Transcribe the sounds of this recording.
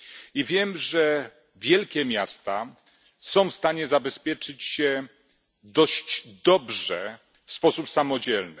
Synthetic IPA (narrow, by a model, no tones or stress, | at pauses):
ivʲjɛmʐɛ | vʲjɛlkʲɛmʲjast̪a | sɔ̃w̃fst̪aɲɛzabɛspʲjɛt͡ʂɘt͡ɕɕɛ | d̪ɔɕd͡ʑd̪ɔbʐɛ | fspɔsupsamɔd͡ʑɛlnɘ